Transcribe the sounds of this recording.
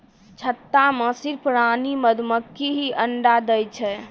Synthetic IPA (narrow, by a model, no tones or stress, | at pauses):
t͡ʃʰət̪ːaməsiɾpɾaniməd̪ʱməkːiɦiʔəɳɖad̪əjt͡ʃʰɛ